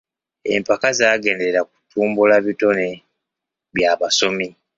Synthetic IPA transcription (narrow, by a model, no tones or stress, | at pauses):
e̞̰mpakazaːɡe̞ːnde̞ɾeɾak̚u̥tʰuːmbulaβito̞ne | βjaːβaso̞mi